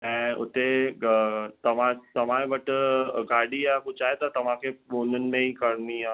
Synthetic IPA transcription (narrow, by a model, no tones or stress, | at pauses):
ɛ̃ʊ̰t̪e | t̪ɐʋãt̪ɐʋãːẽbɐʈɡaːɽiakʊt͡ʃaːet̪at̪ɐʋãkeoːnənmẽɦikɐɾniãː